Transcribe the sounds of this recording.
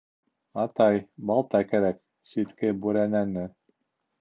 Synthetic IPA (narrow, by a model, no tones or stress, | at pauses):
ɑt̪ɑjbɑlˠt̪ɑkæɾæk | sit̪kɘbʉɾænænɘ